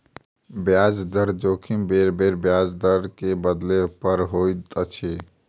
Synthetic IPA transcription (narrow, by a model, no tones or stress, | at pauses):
bjad͡ʒd̪əɾd͡ʒokʰimbeɾbeɾbjad͡ʒd̪əɾkebəd̪lepəɾɦojt̪ət͡ʃʰi